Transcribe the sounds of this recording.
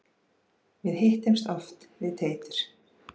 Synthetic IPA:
mjɛðhejht̪ɪmst̪ɔft̪vɪðt̪ʰeːjt̪ʏɾ̥

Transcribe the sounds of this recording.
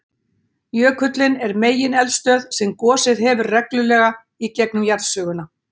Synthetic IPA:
jœːkʰʏt̪lɪnɛɾmeːjɪnɛlst̪œːðsɛmkɔːsɪðɦɛːvʏɾrɛklʏlɛːɣa | icɛknʏmjaɾðsœːɣʏnːa

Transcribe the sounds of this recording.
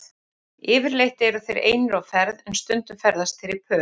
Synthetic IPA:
ɪːvɪɾlejht̪ɪɛɾʏθejɾḛːjnʏɾawfɛɾðɛnst̪ʏnt̪ʏmfɛɾðast̪ʰɪɾɪɾpʰœː

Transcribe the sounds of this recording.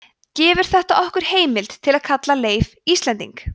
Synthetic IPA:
cɛːvɪɾ̥θɛht̪aʔɔhkʏɾ̥heːjmɪlt̪t̪ʰːɪlaðkʰat̪laleːjvist̪ɛnt̪ḭŋk

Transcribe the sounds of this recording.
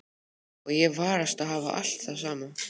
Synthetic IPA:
ɔɣjɛvaːɾast̪aðɦaːva̰ʔa̰l̥t̪θas̬aːma

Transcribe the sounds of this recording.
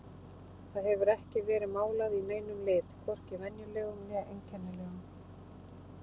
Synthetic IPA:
θaðhɛvʏɾɛhcɪvɛːɾɪmaːwlaðineːjnʏmlɪːt̪kʰvɔr̥cɪvɛnjʏlɛːɣʏmnɛejɲcʰɛnːalɛːɣʏm

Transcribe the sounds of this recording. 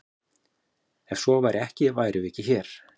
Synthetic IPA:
ɛnsɔvajɾɛhcɪvajɾʏɪhcɪçɛɾ̥

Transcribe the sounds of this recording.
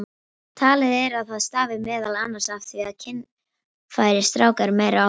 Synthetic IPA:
t̪ʰaːlɪðɛɾaðθaðst̪aːvɪmɛːðalanːaɾ̥saft̪θviaðcʰɪnː | faːjɾɪ̥st̪ɾaːwkaɾmejɾa

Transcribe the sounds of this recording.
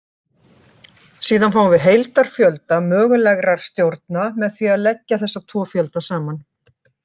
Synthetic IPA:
siːðanfaːwvɪɦejlt̪aɾ̥fjœlt̪amœːɣʏlɛɣɾaɾ̥st̪jowɾt̪̚namɛðθviaðlɛcːaθɛsːat̪ʰvɔːfjœlt̪asaːman

